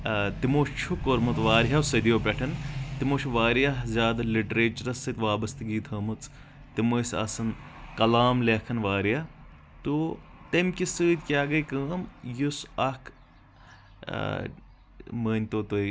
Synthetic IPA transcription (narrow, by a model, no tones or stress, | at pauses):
t̪imoːʃt͡ʃʰukoɾmɨt̪ʋaːɾɦɐwsɐd̪ijoːpʲɛʈʰɐnt̪imoːʃʰʋaːɾjɐɦzʲjaːd̪ɐliʈɾeːt͡ʃɐɾɐsɨt̪ʲʋaːbɐst̪ɨɡiːt̪ʰɐːmɨt͡s | t̪imoːsʲɐ̰sɐnkɐlaːmlekʰɐnʋaːɾjɐ | t̪ut̪ɐmʲkʲisɨːd̪ʲkʲaːɡɐjkəːmjusɐkʰ | məːnʲt̪oːt̪oj